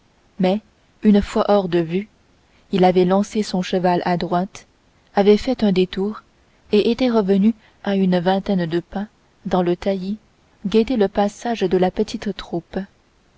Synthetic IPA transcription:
mɛ | ynfwaʔɔʁd̪əvy | ilavɛlɑ̃sesɔ̃ʃəvalʔad̪ʁwat̪ | avɛfɛt̪ɛ̃d̪et̪uːʁ | eʔet̪ɛʁəvəny | aynvɛ̃t̪ɛnd̪əpɛ̃ | d̪ɑ̃lət̪aji | ɡet̪eləpasaʒd̪əlapət̪ʰit̪t̪χup

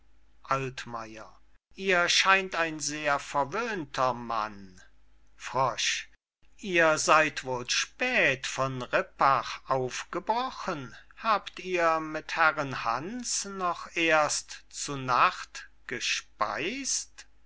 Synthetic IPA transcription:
ʔaltma̰ɪɐ̰ | ʔiːɐʃaɪntaɪnzeːɐfɛɐvøːntʰɐma̰n | fʁ̥ɔʃ | ʔiːɐzaɪtv̥oːlʃpɛːtfɔnʁɪpaχʔaʊfɡ̥əbʁɔχənhaːptiːɐmɪthæʁənhansnɔχʔeːɐstt͡sunaχtɡ̥əʃpa̰ɪst

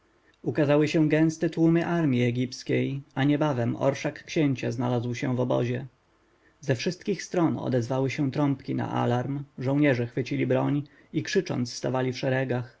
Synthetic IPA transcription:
ukazawɘɕɛ̃ɡɛ̃st̪ɛt̪wumɘʔaɾmʲjiɛɡʲipskʲejaɲɛbavɛmɔ̰ɾʂakːɕeɲt͡ɕazna̰lazwɕɛvɔbɔ̰ʑɛ | zɛfʂɘst̪kʲixst̪ɾɔnɔ̰d̪ɛzvawɘɕɛ̃t̪ɾɔmpkʲina̰ʔa̰laɾmʐɔ̃w̃ɲɛʐɛxfɘt͡ɕilʲibɾɔɲ | ikʂɘt͡ʂɔ̰nt̪sst̪avalʲifʂɛɾɛɡax

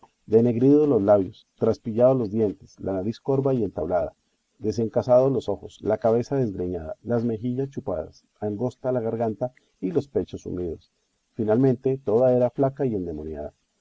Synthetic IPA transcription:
d̪e̞ne̞ɣɾiðolo̞zlaβjo̞st̪ɾaspiʝaðolo̞zd̪je̞nt̪e̞slanaɾisko̞ɾbaie̞nt̪aβlaða̰ | d̪e̞se̞ŋkasaðo̞lo̞so̞xo̞slakaβe̞saðe̞zɡɾeɲaða̰lazme̞xiʝast͡ʃupa̰ða̰s | aŋɡo̞st̪alaɣaɾɣant̪a | ilo̞spe̞t͡ʃo̞sṵmiðo̞s | finalmẽ̞nt̪e̞t̪o̞ðae̞ɾaflakaie̞nd̪e̞monja̰ða̰

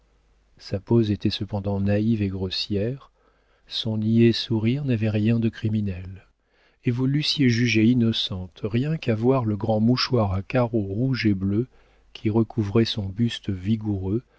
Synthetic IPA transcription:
sapozet̪ɛsəpɑ̃d̪ɑ̃naiveɡʁɔsjɛʁ | sɔ̃niesuʁiʁnavɛʁjɛ̃d̪əkχiminɛl | evulysjeʒyʒeinɔsɑ̃t̪ʁjɛ̃kavwaʁləɡʁɑ̃muʃwaʁakaʁoʁuʒeblø | kʲʰiʁəkʰuvʁɛsɔ̃byst̪viɡuʁø

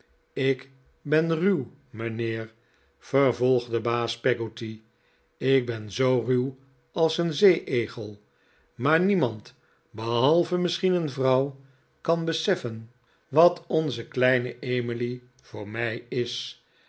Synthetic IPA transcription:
ɪk | bɛnryw | məneːɹ | v̥ərvɔlˠχdəbaːspɛɡoti | ɪk̚bɛnzowryw | ɑlˠsənzejʔejχəlˠ | maːɹnimɑnt | bəɦɑlˠvəmɪsχinənvrɑw | kɑnbəsɛfən | ʋɑtʰɔnzəklɛjnəʔejmili | v̥ʊːɹmɛjɪs

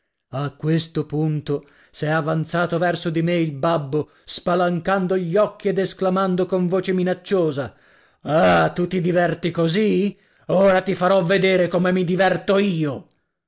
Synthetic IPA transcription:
akːwest̪opunt̪o | sɛavant̪saːt̪ovɛrsod̪imeilbabːo | spalaŋkand̪oʎːɔkːied̪esklamand̪okoɱvoːt͡ʃeminat͡ʃːoːza | at̪ut̪id̪ivɛrt̪ikozi | oːɾat̪ifaɾɔvːed̪eːɾekomemid̪ivɛrt̪oiːo

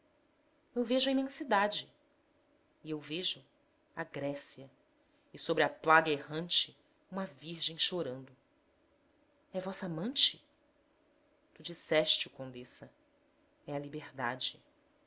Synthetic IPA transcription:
ewveʒʊɐimẽsid̪ad͡ʒɪ | iewveʒʊ | aɡɾɛsiɐ | ɪsobɾɪɐplaɡɐeɦɐ̃nt͡ʃɪ | ũmɐviɾʒẽj̃ʃoɾɐ̃nd̪ʊ | ɛvɔsɐamɐ̃nt͡ʃɪ | t̪ud͡ʒisɛʃt͡ʃɪukõnd̪esɐ | ɛɐlibeɾd̪ad͡ʒɪ

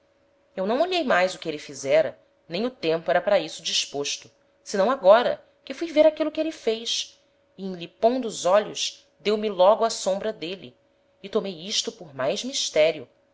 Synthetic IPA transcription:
ewnɐ̃w̃oʎejmajzʊkɪelɪfizɛɾɐ̰ | nẽj̃ʊt̪ẽmpʊɛɾɐpaɾɐisʊd͡ʒiʃpoʃt̪ʊ | sɪnɐ̃w̃aɡɔɾɐ̰ | kɪfujveɾakilʊkɪelɪfejs | ɪẽlipõd̪ʊzɔʎʊʃ | d̪ewmilɔɡʊasõbɾɐd̪elḭː | t̪omejiʃt̪ʊpʊɾmajzmiʃt̪ɛɾiʊ

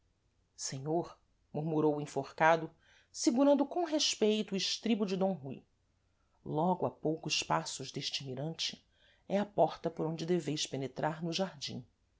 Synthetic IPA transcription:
seɲoɾ | muɾmuɾowĩfoɾkad̪ʊ | siɡuɾɐ̃nd̪ʊkõɦeʃpejt̪ʊɪʃt̪ɾibʊd͡ʒɪd̪õw̃ɦuj | lɔɡʊapowkʊʃpasʊʒd̪eʃt͡ʃɪmiɾɐ̃nt͡ʃɪ | ɛɐpɔɾt̪ɐpoɾõd͡ʒɪd̪evejspenet̪ɾʔaɾnʊʒaɾd͡ʒḭ̃

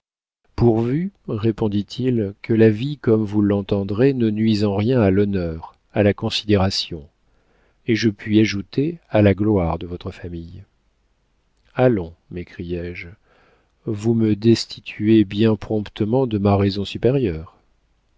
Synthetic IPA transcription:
puʁvyʁepɔ̃d̪it̪ʰilkʰəlavikɔmvulːɑ̃t̪ɑ̃d̪ʁenənɥizɑ̃ʁjɛ̃alɔnœʁ | alakɔ̃sid̪eʁasjɔ̃ | eʒəpɥiaʒut̪ealaɡlwaʁd̪əvɔt̪χəfamij | alɔ̃mekχijɛʒ | vuməd̪ɛst̪ʰit̪ʰyebjɛ̃pχɔ̃pt̪ʰəmɑ̃d̪əmaʁɛzɔ̃sypeʁjœːʁ

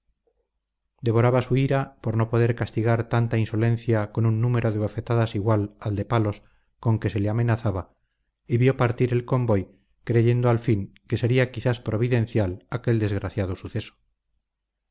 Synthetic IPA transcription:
d̪e̞β̞o̞ɾaβasuiɾapoɾno̞poðeɾkast̪iɣaɾt̪ant̪ainso̞lẽ̞n̟θjako̞nunːũme̞ɾoðeβ̞ofet̪aðasiɣwalald̪e̞palo̞s | ko̞ŋke̞se̞leame̞naθaβa | iβjo̞paɾt̪iɾe̞lko̞mbo̞j | kɾe̞ʝe̞nd̪oalfiŋkese̞ɾiakiθaspɾo̞β̞iðe̞n̟θjalake̞ld̪e̞zɣ̞ɾaθjað̞osuθeso̥

